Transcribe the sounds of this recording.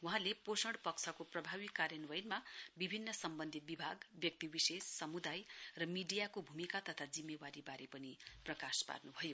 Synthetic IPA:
wuɦãleposʌɽpʌkt͡sʰʌkoprʌbʱaβikːaɾjʌnwʌjnmabibʱinːʌsʌmbʌnd̪ʱit̪̚bibʱaɡbjʌk̚t̪ibisesːʌmud̪ajrʌmiɖijakobʱumikat̪ʌt̪ʰad͡zimːewaɾibaɾepʌniprʌkaspa̰rnubʱʌjo

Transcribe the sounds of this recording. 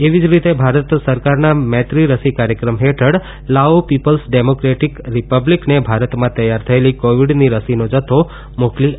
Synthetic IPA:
eʋid͡ʒɾit̪ebʱaɾət̪səɾkaɾnamɛ̃t̪ɾiɾəsikaɾjəkɾəmɦeʈʰəɽ | laopipəlsɖemokɾeʈikɾipəbliknebʱaɾət̪mãt̪əjːaɾt̪ʰəelikoʋiɖniɾəsinod͡ʒət̪ʰo | mokli

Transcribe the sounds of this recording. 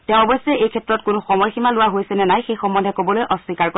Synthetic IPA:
tɛʊ̃ɔbɔjsɛejkʰɛtɹɔt̚kʊnʊxɔmɔjximalʊwaɦojsɛnɛnajxejxɔmːɔndʱɛkobɔlojʔɔswikaɹko

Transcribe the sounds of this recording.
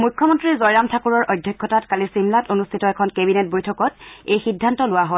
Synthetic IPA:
mujkʰːɔmɔntɹizɔjɹamtʰakuɹɔɹʔojdʱjɔkʰːɔtatkalisimlatonustʰitɔɛkʰɔnkebinet̚bojtʰɔkɔtejxidʱːantɔlʊwaɦɔl

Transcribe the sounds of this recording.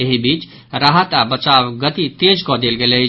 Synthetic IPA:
eɦibiːt͡ʃ | ɾaɦət̪abət͡ʃawɡət̪it̪ed͡ʒkɔd̪elɡelɛ

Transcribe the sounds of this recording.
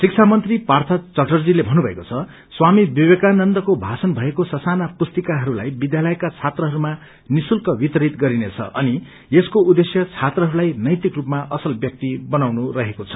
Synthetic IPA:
sik̚t͡sʰamʌnt̪ripart̪ʰʌt͡sʌʈʰʌrd͡zilebʱʌnubʱʌḛkot͡sʰʌ | swamibiwekanʌnd̪ʌkobʱasʌnbʱʌekosʌsanapust̪ikaɦʌɾula̰jbid̪jalʌjkat͡sʰat̪rʌɦʌɾuma | nisulkʌbit̪ʌɾit̪ɡʌɾinet͡sʰʌ̰ʔʌni | eskoud̪esjʌt͡sʰat̪rʌɦʌɾulajnʌjt̪ikrupmaʔʌsʌlbjʌk̚t̪ibʌnawnuɾʌɦekot͡sʰʌ̥

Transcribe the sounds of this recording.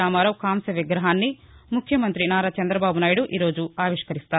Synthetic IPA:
aːmaːɾɐwkaːmsɐʋiɡɾɐɦaːnːi | mukʰjɐmɐnt̪ɾinaːɾat͡ʃɐnd̪ɾɐbaːbunaːjiɽuʔiːɾo̞ːd͡ʒuaːʋiʂkɐɾist̪aː

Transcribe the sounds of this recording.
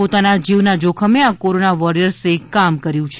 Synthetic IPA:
ot̪anad͡ʒiʋnad͡ʒokʰəmeakoɾonaʋɔɾijəɾsekamkəɾjũt͡ʃʰ

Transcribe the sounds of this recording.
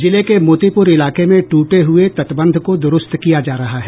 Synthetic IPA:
d͡ʒɪlekemoːt̪ipʊɾɪlaːkemẽʈuːʈeɦʊet̪ɐt̪bə̃nd̪ʱkod̪ʊɾʊst̪kijad͡ʒaːɾɐɦaɦɛ

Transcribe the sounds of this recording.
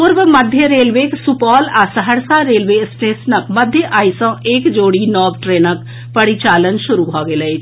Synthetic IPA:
pʊɾʋməd̪ʱjəɾeːlʋeːksʊpɔːlaːsəɦəɾsaːɾeːlʋeːsʈeːsnəkməd̪ʱjəʔaːisãːʔeːkd͡ʒoːɽiːnɔːbʈɾeːnək | pəɽit͡ʃaːlənʃʊɾuːɦɔːɡeːləeː

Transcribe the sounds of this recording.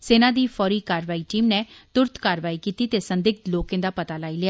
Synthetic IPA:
seːnãːd̪iːpʰɔːɾiːkaːɾʋaːiːʈiːmneːt̪ʊɾt̪kaːɾʋaːiːkiːt̪iːt̪eːsənd̪ɪɡ̚t̪loːkẽːd̪aːpət̪aːlaːiːlɪaː

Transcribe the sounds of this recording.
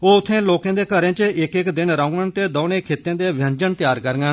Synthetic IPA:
oːʊt̪ʰːẽːloːkãːd̪eːkəɾẽːt͡ʃəɪkɪkd̪ɪnɾaʊ̃ŋɡənt̪eːd̪oːnẽːkʰeːt̪ẽːd̪eːʋjə̃ɲd͡ʒənt̪ɪjaːɾkəɾŋɡən

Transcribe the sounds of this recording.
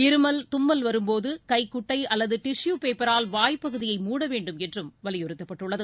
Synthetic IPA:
ɪɾɯmɐlt̪ʊmːɐlʋɐɾɯmpoːðɯkɐɪkːʊʈːɐɪɐlːɐðɯʈɪʂjuːpeːpːɐɾaːlʋaːjpːɐɣɯðɪjɐɪmuːɽɐʋeːɳɖɯmɛndrɯmʋɐɭɪjɔɾɯt̪ːɐpːɐʈːɯɭːɐðɯ

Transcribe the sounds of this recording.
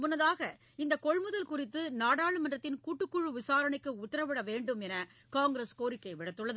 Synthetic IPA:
mʊnːɐðaːɣɐ | ɪnd̪ɐkɔɻmɯðɐlkʊrɪt̪ːɯnaːɽaːɭɯmɐndrɐt̪ːɪnkuːʈːɯkːʊɻɯʋɪsaːɾɐɳɐɪkːɯʊt̪ːɐɾɐʋɪɽɐʋeːɳɖɯmɛnɐ | kaːŋɡɾeskoːɾɪkːɐɪʋɪɽɐt̪ːɯɭːɐðɯ

